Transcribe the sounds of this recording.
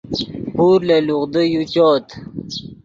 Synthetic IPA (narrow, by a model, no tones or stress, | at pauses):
puːɾlaluʁd̪əjut͡ɕoːt̪